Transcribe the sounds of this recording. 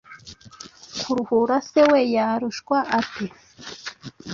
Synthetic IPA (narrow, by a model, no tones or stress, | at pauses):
kʰuɾuhuɾasewejaɾuʃkwaʔati